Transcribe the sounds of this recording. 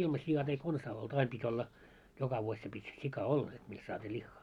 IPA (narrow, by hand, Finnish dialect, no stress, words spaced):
ilmɑ siɑt ei konsɑː oltu ɑim pitʲ olːɑ jokɑ ʋuosʲ se pitʲ sikɑ olːɑ et mist sɑːtʲiː lʲixːɑː